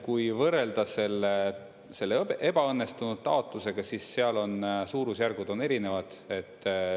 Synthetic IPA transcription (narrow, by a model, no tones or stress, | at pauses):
kujvɤre̞ld̪̥ɑse̞lːe | se̞lːeʔe̞b̥ɑɤnːe̞st̪unud̪̥̚t̪ɑo̞t̪ːˑuse̞ɡ̥ɑsisːeɑlo̞nsuːɾusjærɡ̥ud̪̥one̞ɾine̞vɑd̪̥e̞t̪ː